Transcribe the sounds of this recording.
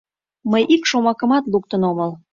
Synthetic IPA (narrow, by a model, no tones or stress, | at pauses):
məjʔikʃomɑkə̆mɑt̪luk̚t̪ənoməl